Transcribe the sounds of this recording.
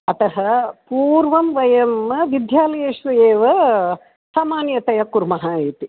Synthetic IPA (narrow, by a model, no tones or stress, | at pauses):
ɐt̪ɐɦɐpuːɾʋɐmʋɐjɐmɐʋid̪jaːlɐjeʃʋɐeːʋɐ | saːmaːnjɐt̪ɐjɐkuɾmɐɦaːiːt̪i